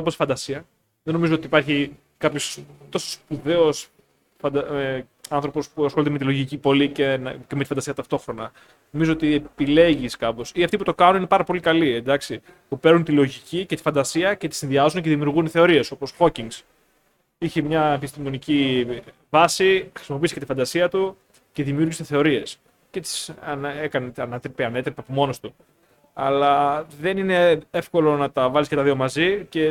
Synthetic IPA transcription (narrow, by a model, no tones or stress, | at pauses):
oposi̥fɐnd̪ɐsiɐ | ðeno̞mizoo̞t̪iːpɐɾçi | kɐpçost̪o̞so̥spuðe̞o̞s | fɐd̪ɐ | ɐnθɾo̞po̞spuɐsxo̞lit̪emet̪ilo̞ʝicipo̞licenɐcemet̪ifɐnd̪ɐsiɐt̪ɐft̪o̞xɾo̞nɐ | no̞mizoot̪iepile̞ʝiskɐpo̞siɐft̪iput̪o̞kɐnunine̞pɐɾɐpo̞likɐliend̪ɐksi | pupe̞ɾnunt̪ilo̞ʝicicet̪i̥fɐnd̪ɐsiɐce̞t̪isinðiɐzunece̞ðimiuɾɣunθe̞o̞ɾie̞so̞po̞sxo̞ciŋɡs | içemɲɐepist̪imo̞nici | vɐsixɾi̥simop̬isket̪ifɐnd̪ɐsiɐt̪u | ce̞ðimijuɾʝiseθe̞o̞ɾie̞s | ce̞t̪i̥sɐekɐnet̪ɐnet̪ɾepeɐne̞t̪ɾepeɐpomo̞nost̪u | ɐlɐðe̞nine̞efko̞lo̞nɐt̪ɐvɐliskɐt̪ɐðio̞mɐzice̞